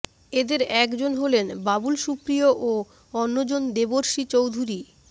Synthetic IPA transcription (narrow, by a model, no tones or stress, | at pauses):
ed̪eɾɛkd͡ʑonɦolenbabulʃupɾioʔo | ɔnːod͡ʑond̪eboɾʃit͡ɕowd̪ʱuɾi